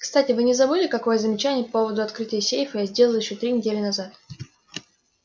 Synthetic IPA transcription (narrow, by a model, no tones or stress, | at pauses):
kst̪atʲɪvɨnʲɪzɐbɨlʲɪkɐko̞jəzəmʲɪt͡ɕænʲɪjəpo̞vəd̪ʊɐt̪kɾɨtʲɪjəsʲejfəjazʲdʲe̞lˠəlˠjɪɕːot̪ɾʲinʲɪdʲelʲɪnɐzat̪